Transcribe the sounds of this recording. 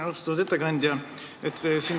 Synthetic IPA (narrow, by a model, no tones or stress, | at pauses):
ɑst̪ɑud̪e̞t̪ːekɑnʲd̪ʲjɑ | et̪ːsiːn